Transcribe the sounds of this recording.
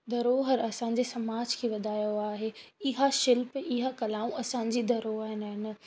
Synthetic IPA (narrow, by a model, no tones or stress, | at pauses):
d̪ɐɾoːɦəɾɐsãɲ̆d͡ʑesɐmaːd͡ʑkʰeʋɐd̪ʱaːjoaːɦeɪɦaʃɪlpiɦakɐlaːũʔɐsãːɲ̆d͡ʑid̪ɐɾoːɦɦɪnɦɪn